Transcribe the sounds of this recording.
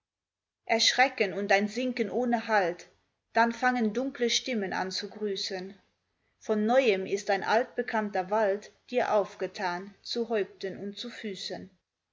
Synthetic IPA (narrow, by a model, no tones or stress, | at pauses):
ʔɛɐʃʁ̥ɛkənʊntaɪnzɪŋkənʔoːnəɦalt | d̥anfaŋəndʊŋkləʃtɪməna̰nt͡suɡʁyːsən | fɔnːɔʏəmɪstaɪnʔa̰lt̚b̥əkʰantɐvaltd̥iːɐʔaʊfɡ̥ətʰaːnt͡suɦɔʏp̚tənʊntt͡sufyːsən